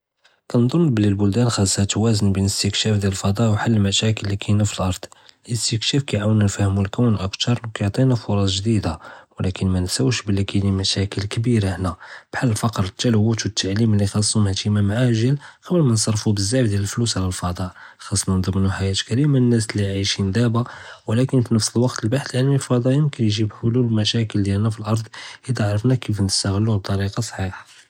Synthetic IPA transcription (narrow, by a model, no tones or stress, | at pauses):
kænd̪ˤonblilbʊld̪ænxɑsˤːhæt̪wæzənbənəst̪əkʃæfd̪jæləlfɑd̪ˤɑʔwħalːlmæʃækəlːikʰæjnæfəlʔɑɾˤd̪̥ˤlʔəst̪əkʃæfkæjʕawənænfæhmwəlkæwnʔəkt̪ɑɾˤkæjʕt̪ˤinæfʊɾˤɑsˤʒd̪id̪awlækənmænsæwʃbəlːikænimæʃækəlkəbiɾaħnæb̥ħalːəlfɑqɾˤət̪ːælwæt̪wət̪ːaʕliməlːixɑsˤːumhæt̪imæmʕaʒəlkəwlmænsˤɑrˤfubəzːæfd̪jæləlflusʕlælfɑd̪ˤɑʔ | xɑsˤːmænd̪ˤəmːnuħajæt̪kæɾimanːæslːiʕaʃind̪æbawəlækənfinəfsəlwɑqt̪əlbaħə̥lʕalmilfɑd̪ˤɑjəmkənjʒibħʊluləlmæʃækəld̪jælnæfilʔɑɾˤd̪ˤhid̪æʕɾˤəfnækifnəst̪æɣəlːut̪ˤːɑɾiqɑsˤħiħ